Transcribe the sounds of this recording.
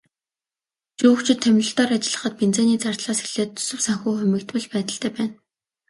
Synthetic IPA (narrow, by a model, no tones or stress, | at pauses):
t͡ɕuːkt͡ɕʰɪ̆t̪ʰːæmʲrɞ̆ɬt̪ɔːrat͡ɕɪ̆ɮə̆χə̆t̪̚pent͡seːniːt͡sar̥t̪ɮaːsxiɮeːt̪ʰːɵ̥sɵ̆wsaŋxuːχʊmʲĭk̚t̪pɘ̆ɮpæːt̪ə̆ɬt̪æːpæːn